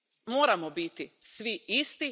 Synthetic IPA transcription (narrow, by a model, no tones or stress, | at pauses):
moːɾamobit̪isʋiist̪i